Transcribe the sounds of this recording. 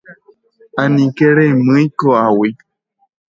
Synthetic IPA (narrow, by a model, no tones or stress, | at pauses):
anĩkeɺemɨikoawi